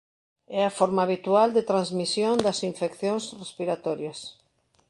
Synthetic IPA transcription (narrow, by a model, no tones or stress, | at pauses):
ɛafoɾmaːβit̪uald̪et̪ɾãnzmisjõnd̪ɐsiɱfekθjõŋsrespiɾat̪ɔɾjɐs